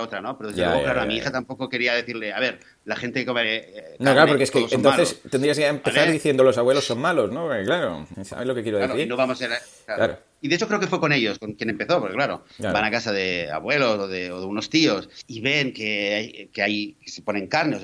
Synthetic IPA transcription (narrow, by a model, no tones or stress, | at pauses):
ot̪ɾanopeɾoðeðelklaɾoamiixat̪ampo̞koke̞ɾiaðe̞θiɾle̞aβe̞ɾ | laxent̪ekekomenaoklaɾopoɾkeskesent̪oalest̪end̪ɾiaseempeθaɾðiθjend̪olos̬aβwelosːonmalo̞snooɾkeklaɾo̰sa̰βelokekjeɾoðeaɾoinoβamoseɾaklaɾa̰ɾo | iðeeso̞kɾeoke̞fweko̞neʎo̞skoŋkjene̞mpeθo̞poɾkeklaɾo̞̰bbanakasaðe̞a̰βwe̞lo̞soðeoðeuno̞st̪iosiβe̞ŋkeajkeajesepo̞ne̞ŋkaɾneo